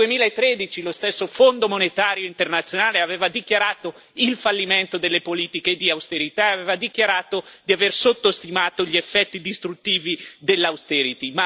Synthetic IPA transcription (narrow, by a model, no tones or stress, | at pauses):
uemiːlaet̪ːɾed̪it͡ʃilost̪esːofond̪omonet̪aːɾjoint̪ernat̪sːjonaːleaveːvad̪ikjaɾaːt̪o | ilfalːiment̪od̪elːepoliːt̪iked̪iawst̪eɾit̪aeaveːvad̪ikjaɾaːt̪od̪iaversot̪ːost̪imaːt̪oʎiefːɛt̪ːid̪ist̪ɾut̪ːiːvid̪elːawst̪ɛɾit̪ima